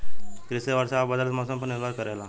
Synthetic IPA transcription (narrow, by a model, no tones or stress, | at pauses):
kɾɪseʋəɾsaːbɐd̪əlt̪mɔːsəmpɐɾnɪɡaːɾkɐɾela